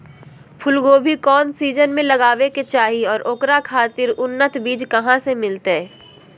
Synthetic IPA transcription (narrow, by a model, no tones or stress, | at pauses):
pʰʊlɡoːbʱikɔːnsiːd͡ʒənmẽlɐɡaːʋeket͡ʃaːɦiɔːɾʔoːkɾakʰaːt̪ɪɾʊnːət̪biːd͡ʒkɐɦãsemɪlt̪e